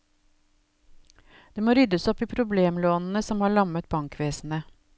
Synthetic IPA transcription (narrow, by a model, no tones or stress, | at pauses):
d̪̥eːmoːɾʏd̪əsɔpiːpʰɾʊbleːmloːnn̩əsɔmhɑːɭɑmət̪̚bɑŋkʰʋeːsn̩ə